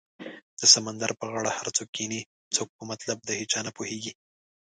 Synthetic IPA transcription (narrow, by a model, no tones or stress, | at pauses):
d̪̥əsamand̪aɾpəɣaɽahaɾt͡sok̚ːeni | t͡sok̚pəmat̪lab̚d̪əhet͡ʃɑnapoheɡi